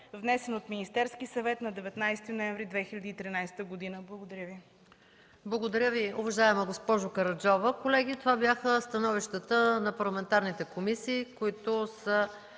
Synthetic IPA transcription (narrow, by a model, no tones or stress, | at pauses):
vnɛsɛnot̪minist̪ɛɾskisɐvɛt̪nɐd̪ɛvɛt̪najst̪inoɛnvɾid̪vɛxilʲɐd̪iːt̪ɾinajst̪əɡod̪inəblˠɐɡod̪ɐɾʲəvi | blˠɐɡod̪ɐɾʲjəviʊvɐʒaɛmɛɡospɔʒʊkɐɾɐd͡ʒɔvəkolɛɡit̪ovabjaxəst̪ɐnɔviʃt̪ət̪ənɐpɐɾlˠɐmɛnt̪aɾnit̪ɛkomisiːkoit̪ʊsə